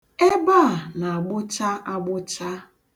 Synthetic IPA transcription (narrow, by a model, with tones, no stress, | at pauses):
e˦ba˦a˨na˨a˨ɡ͡bʊ˦t͡ʃa˦ʔa˦ɡ͡bʊ˦t͡ʃa˦